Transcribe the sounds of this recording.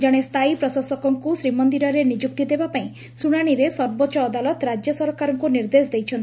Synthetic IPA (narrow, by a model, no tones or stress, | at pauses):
d͡ʒaɽ̃est̪ʰajpɾɔsɔsɔkɔŋkusɾimɔnd̪iɾɔɾenid͡ʒuk̚t̪id̪ebapaĩ | suɽ̃aɽ̃iɾesɔɾbɔt͡ʃɔːd̪alɔt̪ɾad͡ʒjɔsɔɾkaɾɔŋkuniɾd̪esd̪ejt͡ʃʰɔnt̪i